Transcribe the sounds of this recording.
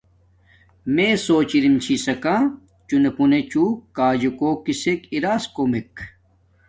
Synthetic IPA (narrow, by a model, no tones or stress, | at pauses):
mesoːt͡ɕiɾimt͡ɕʰisɐkã | t͡ɕunepunet͡ɕukaːd͡ʑekoːkisekiɾaːskomek